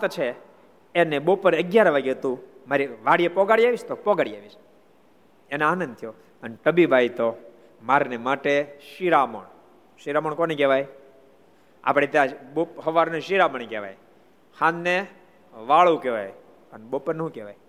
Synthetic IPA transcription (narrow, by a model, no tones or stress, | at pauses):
t̪t͡ʃʰeː | neɓopəɾəɡjaɾʋaɡeɦət̪ũmaɾiʋaɽijepɔɡaɽijaʋiʃt̪opɔɡaɽija̰ʋiʃ | enaanə̃nd̪t̪ʰijo | əneʈəbibʱajt̪o | maɾnemaʈeʃiɾamə̰ɳ | ʃiɾaməɳkonekeʋaj | a̰pɽ̃et̪jãbopɦəʋaɾneʃiɾaməɳekeʋa̰j | hãnːe | ʋaɭũkeʋa̰j | əneɓopəɾnəɦũkeʋa̰j